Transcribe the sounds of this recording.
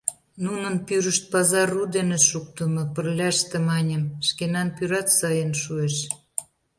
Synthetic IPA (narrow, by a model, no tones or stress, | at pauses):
nunənpyɾəʃt̪̚pɑzɑrud̪eneʃuk̚t̪əmɤ̆pərlʲɑʃt̪ĕmɑnʲəmʃkenɑnpyɾɑt̪sɑjənʃueʃ